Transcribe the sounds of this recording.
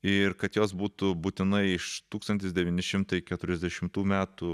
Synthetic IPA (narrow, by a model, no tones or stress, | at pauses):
ɪrkɐt̪joːsbuːt̪ʊbuːt̪ʲɪnɐɪɪʃt̪uːkst̪ɐnʲt̪ʲɪsd̪ʲɛʋʲiːnʲɪʃʲɪmt̪ɐɪkʲɛt̪ʊɾʲɛzʲd̪ʲɛʃʲɪmt̪uːmʲæːt̪u